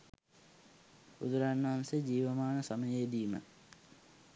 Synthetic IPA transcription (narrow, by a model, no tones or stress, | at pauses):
ṵd̪uɾanːɐɦansed͡ʑiːʋəmaːnəsɐməjed̪iːmə̰